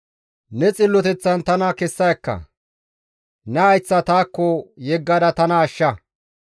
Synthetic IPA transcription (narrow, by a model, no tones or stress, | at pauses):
nɛt͡sʼɪlːɔt̪ɛt͡sːɐnt̪ɐnɐkɛsːɐjkːɐ̰ | nɛɐjt͡sːɐt̪aːkːɔjɛɡːɐd̪ɐt̪ɐnɐːʃːɐ